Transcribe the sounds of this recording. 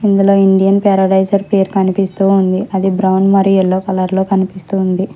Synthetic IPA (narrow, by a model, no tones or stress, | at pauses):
ind̪ulo̞ːiɳɖijɐnpɛːɾɐɖɐjd͡ʒɐɾpeːɾkɐnipist̪uːnd̪iʔɐd̪ibɾɐwnmɐɾieɭːoːkɐlɐɾlo̞ːkɐnipist̪und̪i